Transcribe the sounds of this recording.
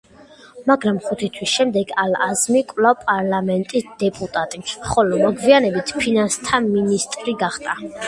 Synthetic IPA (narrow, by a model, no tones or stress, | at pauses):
maɡɾamχut̪ʰit̪ʰwisʃɛmd̪ɛɡalazmikʼvlawpʼaɾlamɛnt̪ʼisd̪̥ɛpʼut̪ʼat̪ʼiχɔlɔmɔɡvianɛbit̪ʰpʰinanst̪ʰaminist̪ʼɾiɡaχt̪ʼa